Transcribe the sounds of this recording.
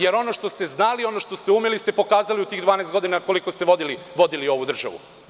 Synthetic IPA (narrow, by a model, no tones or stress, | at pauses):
je̞ɾo̞no̞ʃt̪o̞st̪e̞znalio̞no̞ʃt̪o̞st̪e̞umelist̪e̞po̞kaːzaliut̪iːɣd̪vʋaːnaest̪ɡo̞d̪inako̞liko̞st̪eʋod̪iliʋo̞d̪ilio̞ʋud̪r̩ʒa̰ʋṵ